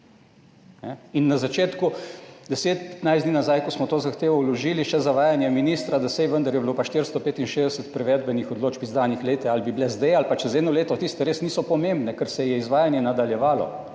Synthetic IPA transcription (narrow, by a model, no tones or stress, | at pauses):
nɛinːazat͡ʃeːt̪kud̪ɛseːt̪pɛ̥t̪najzd̪niːnazajkɔsmɔt̪oːzaxt̪eːʋɔwlɔʒiːliʃɛzaʋaːjanjɛminist̪ɾad̪asɛjʋənd̪aɾjɛbilopaʃt̪iɾst̪ɔpeːt̪inʃeːzd̪ɛsət̪pɾɛʋɛːd̪̚bɛnixɔd̪loːd͡ʒbizd̪aːnixleːt̪ɛalibiblɛzd̪ɛjalpat͡ʃɛzɛːd̪nɔleːt̪ɔt̪ist̪ɛɾeːsnisɔpɔmẽmbnɛkəɾsɛjɛizʋaːjanjɛnad̪aljɛʋaːlɔ̰